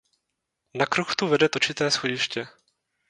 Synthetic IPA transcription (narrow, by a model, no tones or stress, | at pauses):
nakɾuxt̪uvɛdɛt̪ot͡ʃɪt̪ɛːsxoɟɪʃcɛ